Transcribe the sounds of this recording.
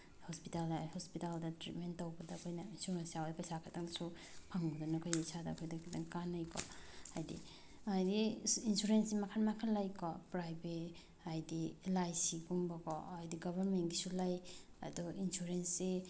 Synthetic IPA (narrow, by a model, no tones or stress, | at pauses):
hɔspitalahɔspitaldɐtɾitmentawbɐdɐkʰojnɐinsuɾensijawajpɐjsakʰatʰaŋdasu | pʰaŋɡudɔnɐkʰojasada̰kʰojdakʰidaŋkanːajkʰɔ̰hajdḭ | ajdiinsuɾensimakʰanmakʰanlajkɔpɾajbet | ajdilajsiɡumbɐkɔ̰ajdiɡɔbʱaɾmenɡisulaj | ɐ̰duinsuɾense